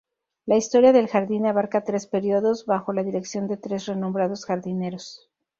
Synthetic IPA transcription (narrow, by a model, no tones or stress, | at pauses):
laist̪o̞ɾjaðe̞lxaɾðinaβaɾkat̪ɾe̞spe̞ɾjo̞ðo̞zβaxo̞laðiɾe̞ksjo̞nd̪e̞t̪ɾe̞sreno̞mbɾaðo̞sxaɾðine̞ɾo̞s